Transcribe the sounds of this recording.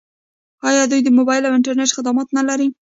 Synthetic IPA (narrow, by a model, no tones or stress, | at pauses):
ɑjɑd̪ujd̪əmobɑjɪlawɪɳʈaɾneʈxɪd̪amɑt̪nalaɾi